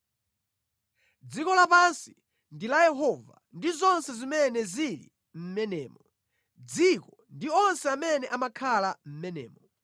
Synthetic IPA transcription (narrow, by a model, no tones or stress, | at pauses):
d͡zikɔlapansi | ndilajɛɦɔva̰ | ndizɔnsɛzimɛnɛzilḭ | m̩mɛnɛːmɔ | d͡zikɔ | ndiɔnsɛamɛnɛʔamakʰalam̩mɛnɛ̰ːmɔ